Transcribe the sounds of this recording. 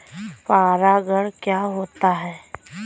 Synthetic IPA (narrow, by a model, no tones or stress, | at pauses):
paːɾaɡəɽkjaːɦoːt̪aɦɛː